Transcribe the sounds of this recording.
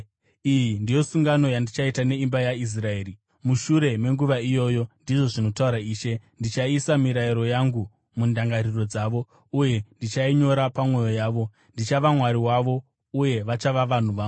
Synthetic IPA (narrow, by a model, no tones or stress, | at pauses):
ijindijo̞suŋɡano̞jandit͡ʃaitane̞imbajais̬rae̞ːɾi | muʃuɾe̞me̞ŋɡuʋaijo̞ːjo̞ndiʐo̞ʐino̞tauɾaiːʃe̞ndit͡ʃaisamiɾaiɾo̞jaŋɡu | mundaŋɡariro̞d͡zaːʋo̞ | uje̞ndit͡ʃaiɲo̞ɾapamwe̞jo̞jaːʋo̞ | ndit͡ʃaʋamwaɾiwaʋo̞ | uje̞ʋat͡ʃaʋaʋan̤uʋaːo